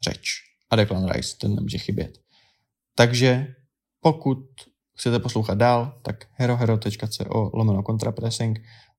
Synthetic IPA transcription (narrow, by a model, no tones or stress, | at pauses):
rɛ̰t͡ʃ | ʔadɛklanɾa̰jst̪ɛnːɛ̰mṵʒɛxɪbjɛ̰t̪ː | aɡʒɛ | po̞kut̪̚ | xt͡sɛt̪ɛposlo̞wxad̪̚daːlt̪akhɛɾoɦɛɾot̪ɛt͡ʃkat͡sɛ̰ːʔoːlʔomɛnoko̞nt̪ɾapɾɛsɪŋk